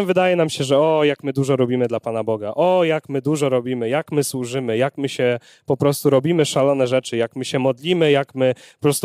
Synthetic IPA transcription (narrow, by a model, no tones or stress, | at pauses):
vɘd̪ajɛnamɕɛʐɛɔjakmɘd̪uʐɔɾɔbʲimɘd̪lapan̪abɔɡaʔɔjakmɘd̪uʐɔɾɔbʲimɘjakmɘswuʐɘmɘjakmɘɕɛ | pɔpɾɔst̪uɾɔbʲimɘʂalɔn̪ɛʐɛt͡ʂɘjakmɘɕɛmɔd̪lʲimɘjakmɘpɔpɾɔst̪